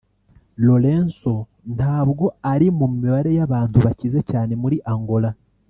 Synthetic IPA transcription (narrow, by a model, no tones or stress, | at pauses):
lo̞ɾe̞ːnso̞ | nhaːβɡo̞aɾimumiβaɾe̞jaβaːntuβacize̞caːne̞muɾiʔaŋɡo̞la